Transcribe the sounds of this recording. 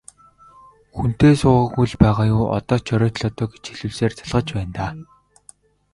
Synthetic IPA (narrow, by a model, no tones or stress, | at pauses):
xun̥t̪eːsʊːʁə̆ɣujɮpæːʁaːjʊːʔɔ̰t̪ɔːt͡ɕʰœɾʲɔːt̪ɮɔt̪ɔːɡe̥t͡ɕxeɮŭːɮseːrt͡sʰḁɮʁə̆t͡ɕpæːnt̪aː